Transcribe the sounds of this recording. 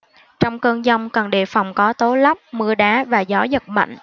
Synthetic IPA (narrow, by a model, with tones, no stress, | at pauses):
t͡ɕɔ˧wŋ͡mkəː˧nzɔ˧wŋ͡mkə˨˩nɗḛ˧˨fɔ˨˩wŋ͡mkɔ˨˦t̪o˨˦la˦˥p̚mɨ˧əɗaː˨˦vaː˨˩zɔ˨˦zə˨˩t̚ma̰˧˨ŋ̟ʔ